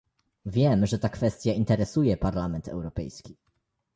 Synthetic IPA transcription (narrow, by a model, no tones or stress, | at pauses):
vʲjɛmʐɛt̪akfɛst̪ʲjaint̪ɛɾɛsujɛpaɾlamɛnt̪ɛ̰wɾɔpɛjskʲi